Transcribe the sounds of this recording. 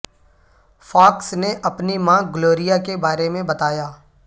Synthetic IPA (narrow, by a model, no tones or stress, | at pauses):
faːksneʔɐpnimãːɡloːɾijakebaːɾemẽbɐt̪aːjaː